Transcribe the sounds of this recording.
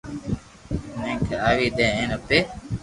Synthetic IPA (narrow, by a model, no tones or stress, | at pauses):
neŋkeaːʋiːd̪ɛːeːnɐpːeː